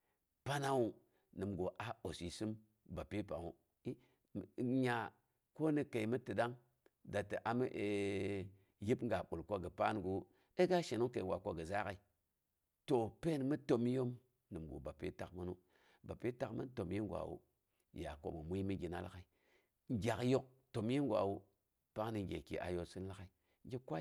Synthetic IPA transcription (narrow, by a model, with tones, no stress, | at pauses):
pa˦na˦wu˦ | nɨ˨mɡo˨ʔa˨o˨si˨sɨ˦m | ba˨pi˦pa˨wu˦˨ | ɲa˨ | ko˦nə˨ke˨i˨mi˦tɨ˨da˦ŋ | da˨tə˨ʔa˨mə˦ʔe˨ | ji˦pŋ˦ɡa˨ɓu˨lkʷo˦ɡə˨pa˦nɡu˨ | e˦ɡa˦ʃe˨nu˦ke˨wʷa˨ko˦ɡə˨za˦ka˨i˨ | to˨pe˦nmɨ˦to˨m˦jo˦m | nɨ˨mɡṵ˨ba˨pḭ˦ta̰˨kmə˦nu˦ | ba˨pi˦ta˨kmə̰˦n˦to˨m˦ji˦ŋɡʷa̰˨wṵ˦ | ja̰˨ko̰˨mə˨mʷu˦mi˦ɡʲi˨na̰˦l̰ka˨i˨ | ŋ˦ɡʲa˨kjo˦k̚ | to˨m˦ji˦ŋ˦ɡʷa̰˨wu˦ | pa˦ŋ˦ni˨ŋ˨ɡʲḛ˨kḭ˨ʔa̰˨jo˨si˦n˦la˦ka˨i˨ | ŋ˦ɡʲi˦kʷa˦